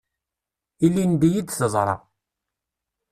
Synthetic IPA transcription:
ilːind̪ijid̪θəzˤɾˤɑ̰

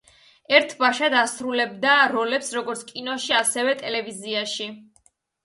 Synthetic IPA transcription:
ɛɾt̪ʰbaʃad̪asɾulɛbd̪aɾɔlɛpsɾɔɡɔɾt̪skʼinɔʃiasɛvɛt̪ʼɛlɛviziaʃi

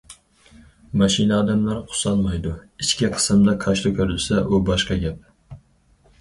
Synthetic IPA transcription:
maʃɪnaːd̪amlaɾqʰʊ̥sɑnmajd̪ʊɪt͡ʃkʲɪqʰɨ̥sɨmd̪akʰɑʃt̪ʊkʲʰɵɾɪlsaʔʊbɒʃqɑɡʲap̚

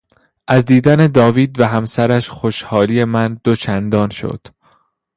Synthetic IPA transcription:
ʔæzd̪iːd̪æne̞d̪ɒːviːd̪væɦæmsæɾæʃxoʃhɒːliːje̞mænd̪̥ot͡ʃʰænd̪ɒːnʃo̰d̪̥

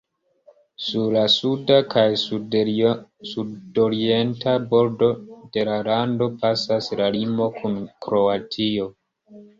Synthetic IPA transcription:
suɾlasudakʰaj | sudo̞ɾie̞ntabo̞ɾdo̞de̞lalando̞pasaslalimo̞kʰunkɾo̞atʰio̞

